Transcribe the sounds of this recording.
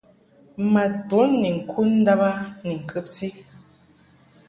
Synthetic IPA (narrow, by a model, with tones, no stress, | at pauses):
ma˨t̚po˨˦nːi˨ŋ̩˨kʰu˦n̩˦da˦ba˦ni˨ŋ̩˨kʰɨ˦p̚ti˦